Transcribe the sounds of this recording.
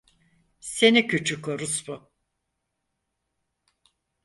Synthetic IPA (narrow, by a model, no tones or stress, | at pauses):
se̞nicʰyt͡ʃʰykʰoɾusbʊ